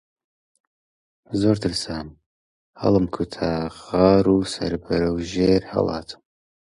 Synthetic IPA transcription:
zoːɾd̪ɨlsaːm | hɐ̰lˠɨmkʰut̪ʰaʁɑːɾusɐ̰ɾbəɾɨwʒeːɾhɐ̰lˠɑ̰ːt̪ʰɨ̥m

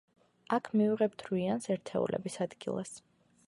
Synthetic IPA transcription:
akʰmiuʁɛb̚d̪ʰɾiansɛɾt̪ʰɛṵlʔɛ̰bisad̪ɡilˠas

